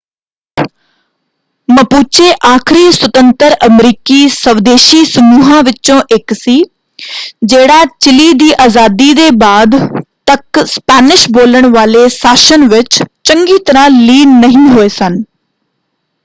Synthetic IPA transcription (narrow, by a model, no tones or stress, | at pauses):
mɐpuːt͡ɕeʔaːkʰɪɾiswət̪ə̃nt̪əɾɐmɾiːkisɐʋd̪eːʃisʊmuːɦãʋɪt͡ɕõʔeksiː | d͡ʑeːɽat͡ɕɪlid̪iːʔaːzaːd̪id̪eːbaːd̪t̪ɐkspaːnɪʃboːləɽ̃ʋaːlesaːʃənʋɪt͡ɕt͡ɕɐ̃ŋɡit̪ɐɾãliːnɐɦĩɦoesən̆